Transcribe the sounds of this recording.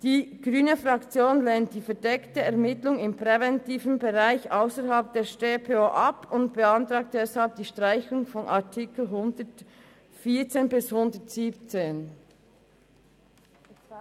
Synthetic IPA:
d̥iːɡ̥ʁyːnəfʁɑkt͡sjoːnlɛnt̚d̥iːfɛdɛktəɛʁmɪtlʊŋɪmpʁɛvɛntiːvən̩beʁaɪçʔaʊsəɾɦalp̚d̥eːʃteːpʰeoːʔɑpʊntb̥əɑntʁaːk̚t̚d̥ɛshalp̚d̥iːʃtʁ̥aɪçʊŋfɔnʔɑtʰɪkl̩ɦʊndət | fiːɐt͡seːnbɪshʊndətz̥iːpt͡seːn

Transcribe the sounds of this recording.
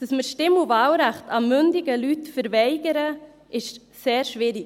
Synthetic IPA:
d̥ɑsməʃtɪmuvɑːwɾæχtɑmʏndɪɡəlytfəɾvɛɪɡəɾə | ʔɪʃt | seːɾʃvɪɾɪ

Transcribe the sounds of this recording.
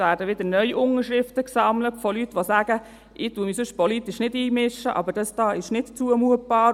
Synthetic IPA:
ʋæːɾdəʋɪdənœʏʔʊŋəʃɾɪftəksɑmlətfɔlytʋosæːɡ̥ə | ʔɪtuːəmisʏʃpɔlitɪʃnɪdiːmɪʃəʔɑ̰bəɾd̥ɑsd̥ɑːɪʃnɪtt͡suəmuət̚b̥ɑː

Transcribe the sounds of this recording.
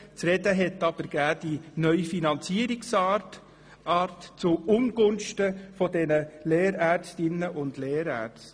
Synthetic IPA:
t͡sɾɛdəɦɛtːɑb̥əɾɡ̥æːd̥inœʏfinɑnt͡siəɾiksɑt | ɑːrtt͡sʊʊmɡʊnʃtəfɔdɛnəleːɾæːɾt͡stɪnːəʔʊndleːɾæ̰ːɾt͡st

